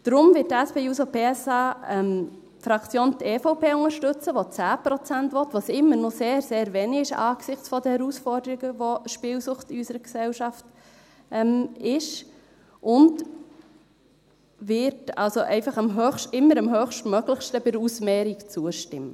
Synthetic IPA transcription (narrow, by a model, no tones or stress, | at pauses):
d̥ɾʊmvɪtːæspeːuːsopeːɛsɑːɛm | fɾɑkt͡sjoːnteːfoʊpeːʊŋəʃtʏt͡səʋot͡sæːpɾɔt͡sæntʋɔtʋosɪmːəɾnoseːɾseːɾʋɛniɪʃɑ̰ːɡ̥sɪχt͡sfɔd̪əhɛɾusfɔrdəɾiɡəʋoʃpɪːlsʊχtɪysəɾəksɛlʃɑft | ɛmɪʃ | ʔʊnd | vɪɾtɑ̰lsoʔɛɪfɑχɑmɦøχʃtɪmːəɾɑmɦøːχʃtmœɡləχʃtəbɪɾusmɛːɾikt͡suəʃtɪmːə